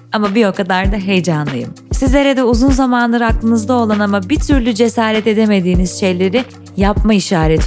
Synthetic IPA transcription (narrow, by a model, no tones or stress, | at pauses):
amabijokad̪aɾd̪aɦe̞jd͡ʒanlˠajɯ̰msizlʲeɾɛd̪ɛuzunzamanlˠaɾɯɦaklˠɯnɯzd̪ao̞lˠanamabit̪ʰyɾlʲyd͡ʒe̞saːɾɛt̪e̞d̪e̞me̞d̪iːniz̥ʃe̞jlʲe̞ɾɪ | japmaiʃaːɾet̪ʰ